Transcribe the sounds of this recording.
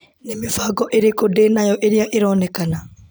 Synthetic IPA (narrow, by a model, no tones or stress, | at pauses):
nemefaɡɔʔeɾekodeːnajɔʔeɾiaʔeɾɔːnɛkana